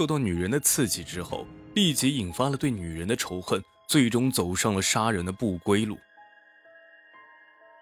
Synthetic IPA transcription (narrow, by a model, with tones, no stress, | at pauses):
o˥˧ɑ˥˩ʊny˨˩ɻə˧˥nd̪ə˧t͡sʰɹ̩˥˩t͡ɕi˨˩ʈ͡ʂɻ̩˥xo̰˥˩ʊli˥˩t͡ɕi˧˥i˨˩nfa˥lə˨t̪we˥˩ɪny˨˩ɻə˧˥nd̪ə˧ʈ͡ʂʰo˧˥ʊxə˥˧n | t͡swe˥˩ɪʈ͡ʂʊ˥ŋt͡so˨˩ʊʂɑ˥˩ŋlə˩ʂa˥ɻə˧˥nd̪ə˧pu˥˩kwe˥ɪlṵ˥˩